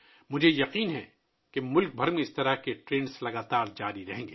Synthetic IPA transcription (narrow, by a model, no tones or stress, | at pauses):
mʊd͡ʒʱejɐqiːnɦɛ̰ | kemʊlk̚bʱɐɾmẽɪst̪ɐɾakeʈɾẽːnslɐɡaːt̪aːɾd͡ʒaːɾiɾɐɦẽːŋɡeː